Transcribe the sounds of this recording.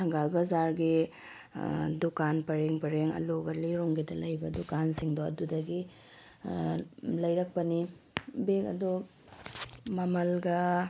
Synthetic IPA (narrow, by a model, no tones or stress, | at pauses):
tʰɐŋɡalbɐzaɾɡi | dukanpɐɾeŋpɐɾeŋɐ̰loɡɐliɾoŋɡidɐlɐjbɐdukansiŋdoɐ̰dudɐɡi | lɐjɾɐk̚pɐnibekɐ̰du | mɐmɐlɡɐ